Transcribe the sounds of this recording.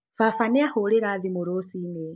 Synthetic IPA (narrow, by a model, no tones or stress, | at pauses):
fafanɛahɔlɛɾaðimuɾosinɛ